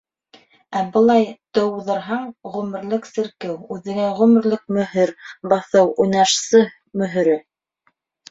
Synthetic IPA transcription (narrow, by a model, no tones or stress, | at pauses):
æbɤ̆lˠɑjt̪ɤ̆wðɤ̆ɾɦɑɴʁʉmɘ̆ɾlɘksɘ̆ɾkɘwʉðɘ̆ɡæʁʉmɘ̆ɾlɘk̚mɵ̆ɦɘɾbɑθɤwujnɑʃsɤ | mɵ̆ɦɘ̆ɾɘ